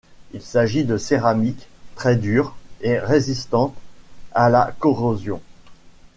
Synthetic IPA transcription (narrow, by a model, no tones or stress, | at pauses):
ilsaʒid̪əseʁamikt̪χɛd̪yʁeʁezist̪ɑ̃t̪ala̰kɔʁozjɔ̃